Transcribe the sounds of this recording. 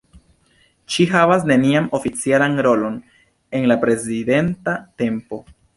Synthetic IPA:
ʃiɦavasne̞niamo̞fit͡sialanɾo̞lo̞n | e̞nlapɾe̞zide̞ntate̞mpo̞

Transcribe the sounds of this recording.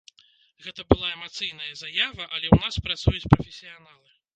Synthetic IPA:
ɣɛt̪ɐbɨlˠaɛmat̪sɨjn̪ɐjɐzajavɐʔɐlʲɛwnaspɾat̪sujut͡sʲpɾɐfʲesʲijanalˠɨ

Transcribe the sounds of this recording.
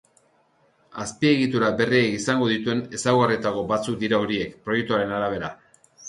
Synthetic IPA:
aspie̞ɣit̪uɾabe̞riekisaŋɡo̞ðit̪ue̞ne̞sawɣarit̪ako̞bat͡suk̚d̪iɾaoɾie̞kpɾojek̚t̪uaɾe̞naɾaβ̞e̞ɾa̰

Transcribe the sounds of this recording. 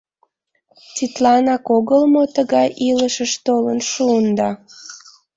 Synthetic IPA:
t͡sit̪lɑnɑkoɣəlmot̪əɣɑjʔiləʃəʃt̪olənʃuːnd̪ɑ

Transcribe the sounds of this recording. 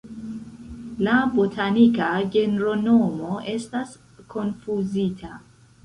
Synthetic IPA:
labotʰanikaɡe̞neɾo̞no̞mo̞ʔe̞stas | kʰo̞nfuzitʰa

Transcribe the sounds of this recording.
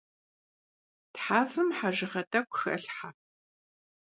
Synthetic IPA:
tħaːfɨmħaʒɪʁɐtʼɐkʷxɨʔɐɬħa

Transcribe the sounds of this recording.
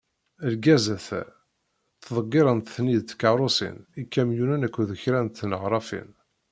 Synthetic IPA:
əlɡæzæθæ̰ | θðˤəɡːɪɾˤənt̪θniðt͡sːkːɑɾˤosḭnikːæmjunænækʷːðəçɾænt̪ːnəʁɾˤɑfḭn

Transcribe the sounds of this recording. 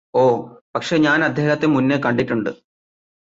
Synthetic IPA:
o̞ːpɐkʂe̞ɲaːnɐd̪ʱjeːɣɐt̪ːemunːekɐɳɖiʈːuɳɖɨ̰

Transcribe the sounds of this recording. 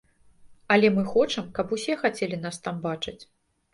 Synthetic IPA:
ɐlʲɛmɨxɔt͡ʂɐmkɐpusʲɛxat͡sʲɛlʲinast̪ambat͡ʂɨt͡sʲ

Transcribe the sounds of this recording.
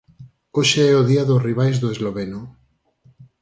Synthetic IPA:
oʃeɛoðiaðoriβ̞ajzðoezloβeno

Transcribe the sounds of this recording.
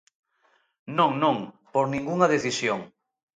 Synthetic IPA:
nõŋnõŋ | poɾnĩŋɡuŋɐðeθisjoŋ

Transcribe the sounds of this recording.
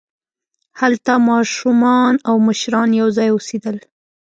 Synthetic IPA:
halt̪amɑʃumɑnawməʃɾɑnjawzɑjosed̪əl

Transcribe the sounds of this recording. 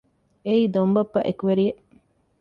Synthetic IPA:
eiːd̪ombɐpːɐʔekuʋeɾijeʔ

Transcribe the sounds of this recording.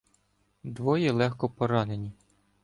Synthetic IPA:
d̪ʋɔjɛlˠɛxkɔpɔɾɑnenʲi

